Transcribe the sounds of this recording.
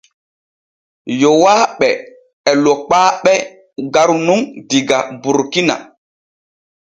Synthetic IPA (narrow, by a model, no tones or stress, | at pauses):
jowaːɓɛ | ɛlɔk͡paːɓɛ | ɡaɾnuŋdiɡabuɾkina̰